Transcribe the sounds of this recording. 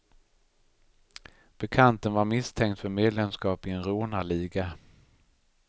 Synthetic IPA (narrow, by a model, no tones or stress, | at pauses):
b̥ɛkʰant̪ənvaɾmɪst̪ʰɛŋkt̪fœɾmeːd̪lɛmskɑːpɪɛnɾoːnaɭiːɡa